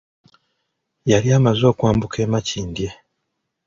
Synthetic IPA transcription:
jaljaːmazo̞ːkwaːmbuke̞ːmaciːndje̞

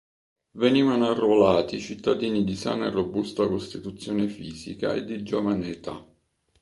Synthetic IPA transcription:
veniːvanoarːolaːt̪it͡ʃit̪ːad̪iːnid̪isa̰ːnaerːobust̪akost̪it̪ut̪sːjɔːnefiːzika̰ḛd̪ːid͡ʒovanet̪a̰

